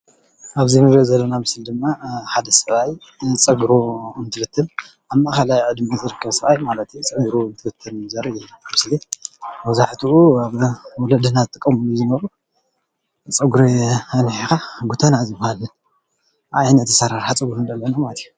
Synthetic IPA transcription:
ʔaβzinɨβɾɐzɐlːonamɨsɨld̪ɨmːaħad̪ɐsɨβaj | t͡sʼɐɡɾoɨnt̪ʰɨfɨt̪ʰːɨl | aβmakalajʕɨd̪mazɨɾɨkʰːɐβsɐajmalɐt̪jut͡sʼɐɡɾont̪ʰɨfɨt̪ʰːɨlɨzɐɾiamɨslimɐzaħt̪ʰuʔuaβwɔlɐd̪ɨnazɨt̪ʼɨkʼːɐmɨluzɨnɐɾu | t͡sʼɐɡuɾeɐnħikaɡut̪ʰanazɨbhal | ʔa̰jnɐt̪ːɨsaɾaɾħat͡sʼɐɡɾund̪ɐlːɐnamalɐt̪ʰiju

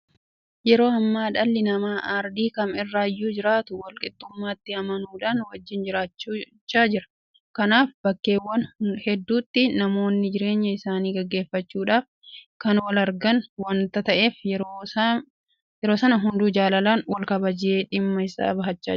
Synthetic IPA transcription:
jɛɾo̞ːɐmːaːᶑɐlːɪnɐmaːʔaɾd̪iːkɐmɪrːaːjːuːd͡ʒɪɾaːt̪ʊwɐlkʼɪt̪ʼːʊmːaːt̪ːɪɐmɐnuːᶑaːnwɐd͡ʒːɪnd͡ʒɪɾaːt͡ʃː | t͡ʃːaːd͡ʒɪɾɐ̥ | kɐnaːfbɐkːe̞ːwːɐnhɛd̪ːuːt̪ːɪnɐmo̞ːnːɪd͡ʒɪɾe̞ːɲːɐɪsaːniːɡɐɡːe̞ːfːɐt͡ʃːuːᶑaːf | kɐnwɐlɐɾɡɐnwɐnt̪ɐt̪ɐʔe̞ːf | jɛɾo̞ːsɐnɐɦʊnd̪uːd͡ʒaːlɐlaːnwɐlkɐbɐd͡ʒɪeːᶑɪmːɐɪsa̰ːbɐɦɐt͡ʃːa̰ː

